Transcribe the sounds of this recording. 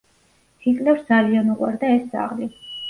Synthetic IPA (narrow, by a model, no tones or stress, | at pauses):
sʰikʼlɛfsd̪zalianuqʼwaɾd̪aɛsd̪z̥a̰ʁli